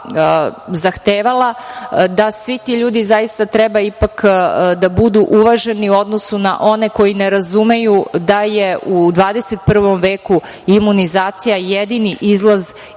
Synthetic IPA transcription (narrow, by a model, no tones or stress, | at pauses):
zaxt̪eːʋalˠad̪asʋit̪iʎuːd̪izajist̪at̪ɾebaipakd̪abud̪uʔuʋaʒe̞niuo̞d̪no̞suna̰ʔo̞ne̞ko̞jineɾazume̞jud̪aje̞ʔud̪ʋaːd̪e̞set̪̚pr̩ʋo̞mʋeːku | imunizaːt̪sijajed̪iniʔizlˠaz